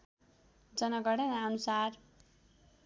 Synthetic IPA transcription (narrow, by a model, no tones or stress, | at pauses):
d͡zʌnʌɡʌɽʌnʌnusar